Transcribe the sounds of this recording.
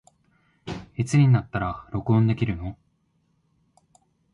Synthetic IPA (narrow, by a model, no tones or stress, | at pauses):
it͡sɨɲ̟ʲinat̪ːaɾaɾo̞kɯ̟õnd̪e̞kʲiɾɯ̟no̞